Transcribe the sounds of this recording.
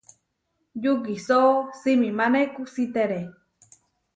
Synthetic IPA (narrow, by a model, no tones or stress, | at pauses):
juɡisosimĩmãnẽkusit̪eɾe